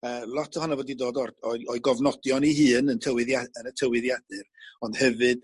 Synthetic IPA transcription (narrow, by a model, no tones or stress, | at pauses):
əːlˠɔtʰəhɔnavoːdidoːdɔrd̥ɔɔɨɡɔvnɔdjɔniɦɨːnəntʰəwɨðaənətʰəwɨðjadɨrɔnd̥hɛvɨd̥